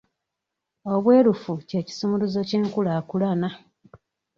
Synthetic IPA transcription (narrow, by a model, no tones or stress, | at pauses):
o̞βwe̞ːlufuceci̥sumuluzociːŋkulaːkulana